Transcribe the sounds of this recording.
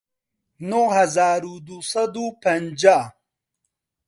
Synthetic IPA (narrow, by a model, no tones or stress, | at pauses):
nohɐzaːɾud̪usɐd̪upʰɐnd͡ʒaː